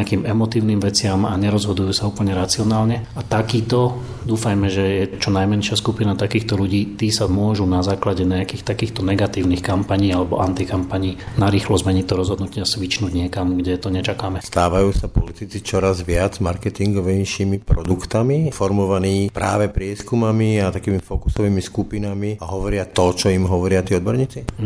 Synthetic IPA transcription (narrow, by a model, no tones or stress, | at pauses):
akiːmɛmɔt̪iːʊniːmʋɛt͡sɪamaɲɛɾɔzɦɔd̪ujuːsauːpl̩ɲɛɾat͡sɪɔnaːlɲɛat̪akiːt̪ɔ | d̪uːfajmɛʒɛjɛt͡ʃɔnajmɛnʃɪaskupinat̪akiːxt̪ɔʎuɟiːt̪iːsamʊɔʒunazaːklaɟɛɲaakiːxt̪akiːxt̪ɔnɛɡat̪iːʊnixkampaɲiːalɛbɔʔant̪ikampaɲiːnaɾiːxlɔzmɛɲict̪ɔɾɔzɦɔd̪nucɪasʋit͡ʃnuːɟɲɪɛkamɡɟɛt̪ɔɲɛt͡ʃakaːmɛst̪aːʋajuːsapɔlit̪it͡sit͡ʃɔɾazʋɪad͡zmaɾkɛt̪iŋɡɔʋɛjʃiːmipɾɔ̰d̪ukt̪amifɔɾmɔʋaniːpɾʔa̰ːʋɛpɾɪɛskumamiat̪akiːmifɔku̥sɔʋiːmiskupinamiaɦɔʋɔɾɪat̪ɔt͡ʃɔimɦɔʋɔɾɪat̪iːɔd̪bɔɾɲiːt͡si